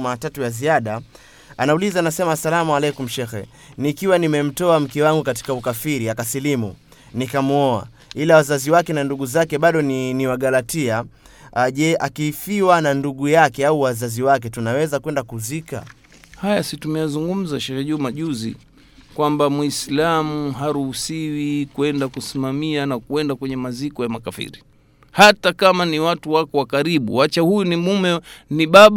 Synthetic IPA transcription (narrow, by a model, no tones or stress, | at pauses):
matatujaziaɗa | anaulizaːnasɛmasalamualɛkum̩ʃɛxɛ̰ | nikiwanimɛm̩tɔam̩kɛwaŋɡukati̥kaukafiɾiakasilimṵ | nikamuɔa̰ | ilawazaziwakɛnanduɠuzakɛɓaɗɔnniwaɠalatia | ʄɛʔakiːfiwananduɠujakɛauwazaziwakɛtunawɛzakwɛndakuzika̰ | hajasitumɛjazuŋɡum̩zaʃaʃaʄumaʄuzḭ | kwambamwislamuɦaɾuhusiwikuɛndakusimamianakuɛndakwɛɲɛmazikɔjamakafḭɾi | hatakamaniwatuwakɔwakaɾiɓṵwat͡ʃahujunimumɛniɓaɓ